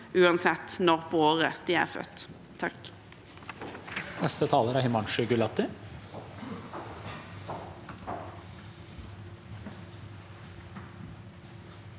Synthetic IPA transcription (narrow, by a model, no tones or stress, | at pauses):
ʔʉːɑnsɛt̪ːnɔʁpʰoːoːʁəd̪̥iːæ̰ːʁfœ̰t̪ʰː | ɑk | nɛst̪ət̪ʰɑːləɾæhʏmɑnʃʉɡʉlɑt̪ːɪ